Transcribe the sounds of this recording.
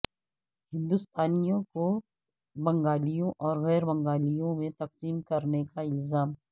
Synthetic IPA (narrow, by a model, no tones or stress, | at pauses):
hɪ̃nd̪ʊst̪ʰaːnijõko | bɐ̃ŋɡaːlijõʔɔːɾɣɛːɾbɐ̃ŋɡaːlijõmẽt̪ɐqsiːmkɐɾnekaɪlzaːm